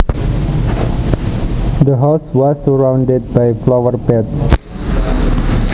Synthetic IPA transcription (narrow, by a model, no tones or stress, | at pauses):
d̪əɦawswɔsːəɹãwndəd̚bajflawərpɛts